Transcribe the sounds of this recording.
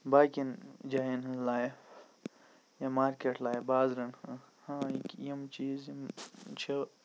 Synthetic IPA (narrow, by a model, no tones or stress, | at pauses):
baːkind͡ʒaːinɦɐlaːjf | jɐmaːɾkeʈlaːjfbaːzɾɐnhɐ̃ | hãːikjɐmt͡ʃiːzimt͡ʃʰɐ